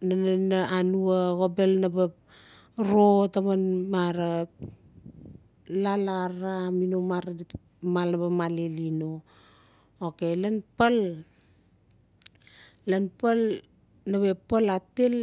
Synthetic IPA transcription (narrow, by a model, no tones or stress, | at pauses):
nananaanuaɣobe̞lnaba | ɾotamanmaɾa | lalaɾaminomaɾa | malnabamalelino | okelenpal | enpal | naβepalatel